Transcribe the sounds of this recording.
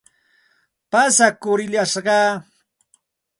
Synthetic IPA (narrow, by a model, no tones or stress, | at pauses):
pasakʊɾɪʎaʃɢɑː